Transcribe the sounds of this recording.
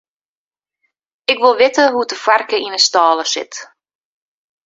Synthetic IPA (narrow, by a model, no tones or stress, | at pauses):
ɪkʋɪlˠʋɪtəɦudəfarkəinəstaːləsɪ̰t